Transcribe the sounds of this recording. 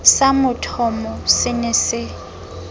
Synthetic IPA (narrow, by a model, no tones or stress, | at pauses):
samʊtʰɔmɔsɪnɛsɪ